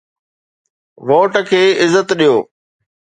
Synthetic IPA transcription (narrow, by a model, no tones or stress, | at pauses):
ʋoːʈəkʰeːɪzːət̪ɗijoː